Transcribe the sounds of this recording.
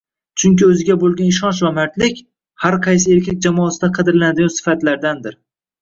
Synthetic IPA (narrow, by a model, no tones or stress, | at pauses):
t͡ʃʰʊŋkʲɪɵzɪɡʲabolˠɡʲanɪʃɒnt͡ʃvamaɾt̪lɪkʲ | haɾqʰɑjs̬ɪe̞ɾkʲak̚ʲd͡ʒamɒːsɪd̪aqʰɑd̪ɪɾlanad̪ɪɡʲɒnsɪ̥fat̪laɾd̪and̪ɪɾ